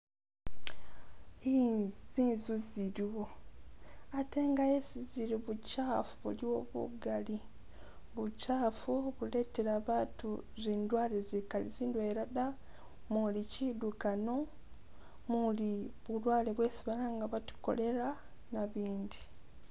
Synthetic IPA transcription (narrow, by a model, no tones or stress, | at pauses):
iziːnzuziɾiwo̞ | ate̞ːŋɡajesiziɾiβucaːfuβṵliwo̞βṵɡali | βucaːfuβule̞ːte̞ɾaβaːtuziːndwaːlezikalḭziːndweɾada | mulicidukano̞ | muliβulwaːleβwe̞ːsiβalaŋɡaβatu̥ko̞̰le̞ɾa | naβiːndi